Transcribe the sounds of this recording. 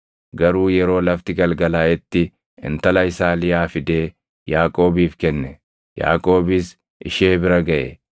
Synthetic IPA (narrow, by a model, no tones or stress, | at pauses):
ɡɐɾuːjɛɾo̞ːlɐft̪ɪɡɐlɡɐlaːʔɛt̪ːɪ | ɪ̰nt̪ɐlɐjɪsaːlɪjaːfɪd̪e̞ː | jaːkʼo̞ːbiːfkɛnːɛ | ja̰ːkʼo̞ːbɪs | ʔɪ̰ʃeːbɪɾɐɡɐʔɛ̰